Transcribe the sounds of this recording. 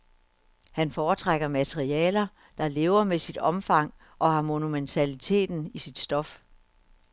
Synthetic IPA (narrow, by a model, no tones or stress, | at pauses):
hænfɒːt͡sʰʁaɡ̥ɐmæt͡sʰʁiɛ̰ːlɐ | d̥ɑ̈le̝ːʊɐmesid̥ɒ̽mfɑ̈ŋ̰ | ʔɒ̽hɑ̈mo̝nument͡sʰælit͡sʰe̝̰ːd̥n̩isid̥sd̥ɒ̽f